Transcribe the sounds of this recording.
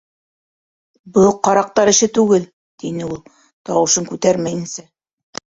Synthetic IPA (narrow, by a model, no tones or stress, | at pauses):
bɤqɑɾɑq̚t̪ɑɾɘ̆ʃɘt̪ʉɡɘl | t̪inɘulˠ | t̪ɑwɤ̆ʃɤŋkʉt̪æɾmæjɘ̆nsæ